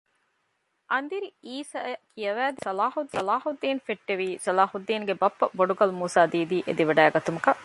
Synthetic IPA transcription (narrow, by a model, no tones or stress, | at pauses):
ʔɐnd̪iɾiiːsaːkʰijɐʋæːd̪isɐlaːhusɐlaːhud̪ːiːnfeʈːeʋiːsɐlaːhud̪ːiːŋɡebɐpːɐboɖuɡɐlumuːsaːd̪iːd̪iːʔḛd̪iʋɐɖæːɡɐt̪umukɐʔ